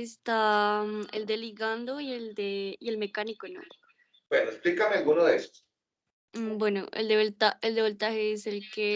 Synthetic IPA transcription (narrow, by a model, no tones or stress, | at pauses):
est̪a | eld̪eliɣand̪oield̪eielmekanikono̰ | bwenoesplikamealɡunoðeest̪o̥ | bweno̰ʔḛld̪eβolt̪aeld̪eβolt̪aheeselke